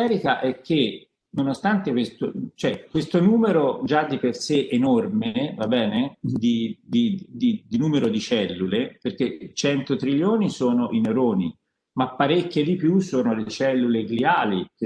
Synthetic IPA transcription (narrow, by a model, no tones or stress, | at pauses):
ɛːɾikaʔɛkʰːe | nonost̪ant̪ekwest̪ot͡ʃoɛkwest̪onuːmeɾod͡ʒad̪ːiperseʔenormevabɛːned̪id̪id̪id̪inuːmeɾod̪it͡ʃɛlːuleperket͡ʃɛnt̪ot̪ɾiʎːoːnisoːnoʔineɾoːni | mapːaɾekːed̪ipjusoːnoleet͡ʃɛlːuleɡliaːlik